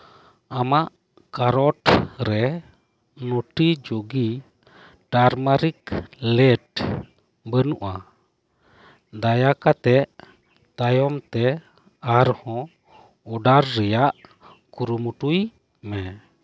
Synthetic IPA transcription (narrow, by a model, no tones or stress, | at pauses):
amaʔ | kaɾɔʈɾɛ | nɔʈid͡ʒoɡi | ʈaɾmaɾiklɛʈ̚ | bənuʔa | d̪ajakat̪ɛʔ | t̪ajɔmt̪ɛ | aɾhɔ̃ | ɔɖaɾːɛjaʔ | kuɾumuʈuj | mɛ